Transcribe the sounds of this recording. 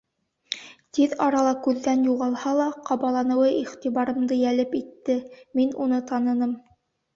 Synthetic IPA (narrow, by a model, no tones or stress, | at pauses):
t̪iðɑɾɑlˠɑkʉðːænjuʁɑlˠhɑlˠɑqɑβɑlˠɑnɤ̆wɤʔiχt̪iβɑɾɤ̆md̪ɤjælɘpit̪ːɘminunɤt̪ɑnɤ̆nɤm